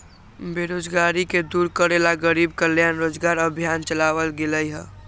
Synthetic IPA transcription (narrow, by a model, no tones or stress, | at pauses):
beɾod͡ʒɡaɾiked̪uːɾkəɾelaɡəɾiːb̚kəljanɾoːd͡ʒɡaːɾəbʱjant͡ʃəlaːwəlɡeləjɦɛ̃ː